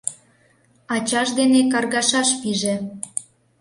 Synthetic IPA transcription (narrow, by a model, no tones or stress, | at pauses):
ɑt͡ɕɑʃd̪enekɑrɣɑʃɑʃpiʒe